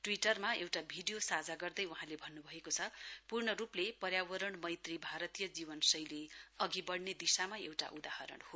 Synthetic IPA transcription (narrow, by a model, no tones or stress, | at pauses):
ʈwiʈʌrmaewʈabʱiɖijosad͡zaɡʌrd̪ʌjuɦãlebʱʌnːubʱʌekot͡sʰʌpurɳʌɾuplepʌrjawʌɾʌɳmʌjt̪ribʱaɾʌt̪ijʌd͡zibʌnsʌjleʌɡibʌɽned̪isamaḛwʈa̰ʔud̪ahʌɾʌ̰ɽho